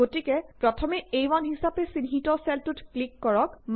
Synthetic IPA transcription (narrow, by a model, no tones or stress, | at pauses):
otikɛpɹɔtʰɔmɛejwanɦisapɛsinɦitɔsɛltutklikːɔɹɔkm